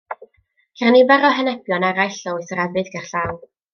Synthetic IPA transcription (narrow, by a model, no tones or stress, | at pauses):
kʰɛrnibaɾɔɦənɛpʰjɔnaɾajɬɔwɨsəɾɛbɨdɡarɬaːw